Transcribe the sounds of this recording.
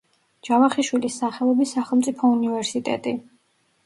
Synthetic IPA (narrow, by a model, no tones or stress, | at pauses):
d͡ʒavaχiʃwilisːaχɛlˠɔbisaχəlˠmt̪sʼipʰɔunivɛɾsit̪ʼɛ̰t̪ʼi